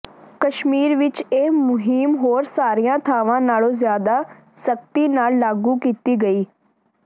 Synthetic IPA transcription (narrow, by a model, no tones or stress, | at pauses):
kəʃmiːɾʋɪt͡ʃeːmʊɦiːmɦoːɾsaːɾijãːt̪ʰaːʋãːnaːlõːzjaːd̪aː | sək̚t̪iːnaːllaːɡuːkiːt̪iːɡəiː